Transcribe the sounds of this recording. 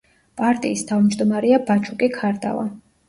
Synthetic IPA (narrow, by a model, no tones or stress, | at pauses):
pʼaɾt̪ʼiːst̪ʰavmd͡ʒd̪ɔmaɾɛabat͡ʃʰukʼikʰaɾd̪a̰va̰